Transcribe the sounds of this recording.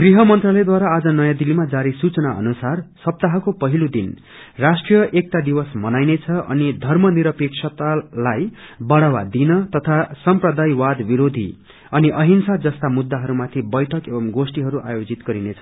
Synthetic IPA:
ɡriɦʌmʌnt̪rʌlʌjd̪waɾaːd͡zʌnʌjãd̪ilimad͡zaɾisut͡sʌnaʔʌ̰nusarsʌp̚t̪aɦʌkopʌɦilod̪in | rasʈrijʌʔek̚t̪ad̪ibʌsmʌnajnet͡sʰʌʔʌ̰nid̪ʱʌrmʌniɾʌpeksʰʌt̪alajbʌɽawad̪inʌt̪ʌt̪ʰasʌmprʌd̪ajwad̪biɾod̪ʱḭ | ʌniʔʌɦinsad͡zʌst̪amud̪ːaɦʌɾumat̪ʰibʌjʈʰʌkebʌmɡosʈiɦʌɾuʔa̰jod͡zit̪ɡ̥ʌɾinet͡sʰʌ

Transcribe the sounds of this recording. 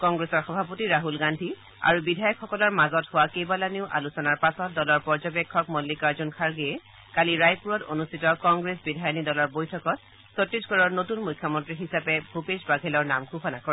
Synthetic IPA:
kɔŋɡɹesɔɹxɔbʱapotiɹaɦulɡandʱi | a̰ɹubidʱajɔkxɔkɔlɔɹmazɔthʊwakejbalaneʊʔa̰lusɔnaɹpasɔt̚dɔlɔɹpɔɹzɔbɛkʰːɔkmɔlːikaɹzɔnkʰaɹɡeɛ | kaliɹajpuɹɔto̰nustʰitɔkɔŋɡɹesbidʱajɔnidɔlɔɹbojtʰɔkɔt̚ | sɔtːisɡɔɹɔɹnotunmʊjkʰːjɔmɔntɹiɦisapɛbʱupesbaɡʱɛlɔɹnamɡʱuxɔnakoɹɛ

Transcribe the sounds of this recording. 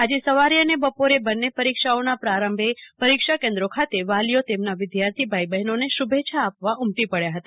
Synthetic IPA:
ad͡ʒesəʋaɾjəənebəpoɾebənːepəɾikʃaonapɾaɾəmbʱepəɾikʃakẽnd̪ɾokʰat̪eʋalijot̪emnaʋɪd̪jaɾt̪ʰibʱajbəɦɛnoneʃubʱet͡ʃʰaːpʋaʔumt̪ipəɭjaɦət̪a

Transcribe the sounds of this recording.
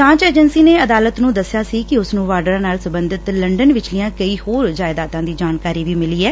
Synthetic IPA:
sãːt͡ʃeːd͡ʒənsiːneːəd̪aːlət̪nũːd̪əsːjaːsiːkɪʊsnũːʋaːɾɖəɾãːnaːlsəbənd̪ɪt̪ləɳɖənʋɪt͡ʃliːãːkəiːhoːɾd͡ʒaːɪd̪aːt̪ãːd̪iːd͡ʒaːnkaːɾiːʋiːmɪliːɛː

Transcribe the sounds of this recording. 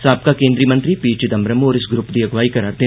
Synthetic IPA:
saːp̚kakẽːnd̪ɾiəmɐ̃nt̪ɾipiːt͡ʃɪd̪ɐmɾɐmɔːɾɪsɡɾʊpd̪iɐɡʋaːikɐɾaːɾd̪eː

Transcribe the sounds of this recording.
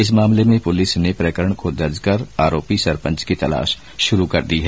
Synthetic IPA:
ɪs̬maːmlemẽpʊlɪsnepɾɐkəɾəɳ̃kod̪ɐɾd͡ʒkɐɾaːɾoːpisɐɾpə̃nt͡ʃkit̪ɐla̰ːʃ | ʃʊɾukɐɾd̪iɦɛː

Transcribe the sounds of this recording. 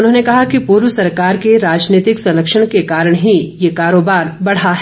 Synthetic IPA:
ʊnɦõːnekɐɦakipuːɾʋəsɐɾkaːɾkeɾaːd͡ʒniːt̪ɪksɐ̃nləkʃəɽ̃kekaːɾəɽ̃ɦijekaːɾoːbaːɾbɐɽ̤aɦɛ

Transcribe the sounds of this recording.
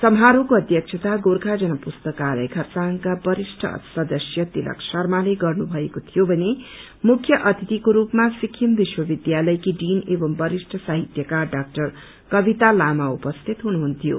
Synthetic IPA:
sʌmɦaɾukoʌd̪jʌk̚t͡ʃʰʌt̪aɡorkʰad͡zʌnʌpust̪ʌkalʌ̰jkʰʌrt͡saŋkabʌɾisʈʰʌ̰sʌd̪ʌsjʌt̪ilʌ̰ksʌrmaleɡʌrnubʱʌekot̪ʰijobʱʌne | mukʰjʌʔʌt̪ʰit̪ikoɾupmasikʰːjimbiswʌbid̪jalʌjkiɖinebʌmbʌɾisʈʰʌsaɦit̪jʌkaɖak̚ʈʌr | kʌbit̪alamaupʌst̪ʰit̪ɦunuɦunt̪ʰijo̰

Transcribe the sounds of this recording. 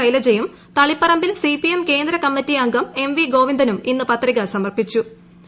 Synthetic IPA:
ɐjilɐd͡ʑejum | t̪ɐɭipːɐrɐmbilsipijemke̞ːnd̪ɾɐkɐmːitːiɐŋɡɐme̞mʋiɡo̞ːʋind̪ɐnuminːupɐt̪riɣɐsɐmɐrpit͡ɕːu

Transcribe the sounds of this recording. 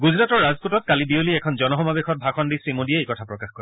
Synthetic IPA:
ɡuzɹatɔɹːazputɔt̪̚kalibioliɛkʰɔnd͡ʒɔnɔɦɔmabexʰɔt̪̚bʱaxʰɔndisɹimodiɛekɔtʰapɹɔkaxko

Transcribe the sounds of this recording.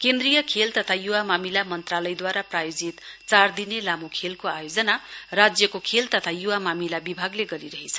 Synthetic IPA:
kend̪rijʌkʰelt̪ʌt̪ʰajuwamamilamʌnt̪ralʌjd̪waɾaprajod͡zit̪t͡sard̪inelamokʰelkoajod͡zʌnarad͡zjʌkokʰelt̪ʌt̪ʰajuwamamilabibʱaɡleɡʌɾiɾʌɦet͡sʰʌ

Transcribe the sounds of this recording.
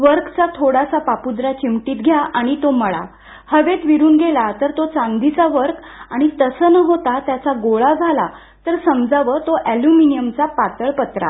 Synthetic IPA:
ʋəɾkt͡sat̪ʰoɽasapapud̪ɾat͡ɕimʈiːt̪ɡʱjaʔaɽ̃it̪oməɭa̰ | həʋet̪ʋiɾuːnɡʱelat̪əɾt̪ot͡sãŋɡd̪it͡saʋəɾk | aɽ̃it̪əsəːnəɦot̪at̪jat͡saɡoɭad͡zʱala | t̪əɾsəmd͡zaʋəːt̪oʔæljuminijəmt͡sapat̪əɭpət̪ɾa̰

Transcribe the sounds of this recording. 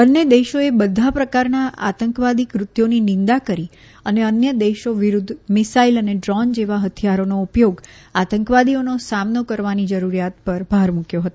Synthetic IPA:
bənːed̪eʃoebəd̪ʱːapɾəkaɾnaʔa̰t̪əŋkʋad̪ikʋɾʊt̪joninɪ̃nd̪akəɾi | əneənjəd̪eʃoʋiɾud̪ʱːmɪsailəneɖɾɔnd͡ʒeʋaɦət̪ʰijaɾonoupjoɡat̪əŋkʋad̪ionosamnokəɾʋanid͡ʒəɾuɾjat̪̚pəɾbʱaɾmukjoɦət̪oo

